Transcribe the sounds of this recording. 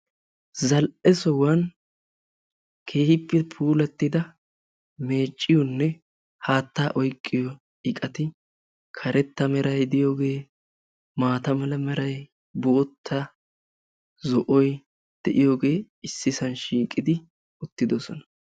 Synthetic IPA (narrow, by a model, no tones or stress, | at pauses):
zɐlʔɛsɔwan | kʰe̞ːhɪpːɛpʰuːlɐt̪ːɪd̪ɐ | me̞ːt͡ʃʼːɪjɔnːɛ | haːt̪ːaːʔɔjkʼːɪjɔ | ɪkʼɐt̪ɪ | kʰɐɾɛt̪ːɐmɛɾɐjd̪ɪjo̞ːɡe̞ː | maːt̪ɐmɐlɐmɛɾɐj | bʊʔɔt̪ʰːɐ | zɔʔɔj | d̪̥ɛʔɪjo̞ːɡe̞ː | ɪsːɪsɐnʃiːkʼːɪd̪ɪ | ʊt̪ːɪd̪ɔsɔnɐ̥